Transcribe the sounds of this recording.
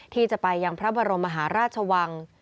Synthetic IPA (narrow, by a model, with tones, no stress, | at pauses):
t̪ʰiː˥˩t͡ɕa˨˩pa˧jːa˧ŋpʰɾa˦˥bɔː˧ɾo˧mːa˧ɦaː˩˦ɾaː˥˩t̪̚t͡ɕʰa˧wa˧ŋ